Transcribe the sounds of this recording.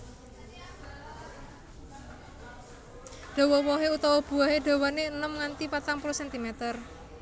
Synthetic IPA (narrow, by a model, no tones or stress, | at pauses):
ɖ̪̥o̤wɔwɔɦeut̪ɔwɔb̥ṳaɦeɖ̥o̤wɔneənəmŋant̪ipat̪aŋpuɾosɛnt̪imɛt̪ər